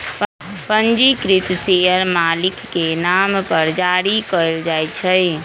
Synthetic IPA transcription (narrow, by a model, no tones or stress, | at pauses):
pənd͡ʒikɾit̪sejəɾmalikːenampəɾd͡ʒaɾikəld͡ʒajt͡ʃʰəj